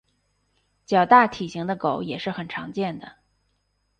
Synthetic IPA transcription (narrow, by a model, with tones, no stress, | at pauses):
t͡ɕjɑ˨˩ʊt̪a˥˩t̪ʰi˨˩ɕi˧˥ŋd̪ə˧ko˨˩˦ʊjɛ˨˩ʂɻ̩˥˩xə˨˩nʈ͡ʂʰɑ̰˧˥ŋt͡ɕjɛ˥˩nd̪ə˩